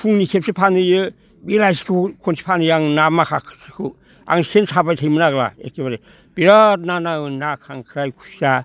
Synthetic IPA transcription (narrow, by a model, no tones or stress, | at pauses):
pʰuŋnikʰep̚sipʰanɯjɯ | biɾajsi̥kʰɯkʰonsi̥pʰanɯjaŋnamakʰakʰsikʰɯ | a̰ŋsensʰabajtʰajmɯnaɡla̰ḛkebaɾe | b̥iɾat̚nanaɯnakʰaŋkʰɾajkʰusa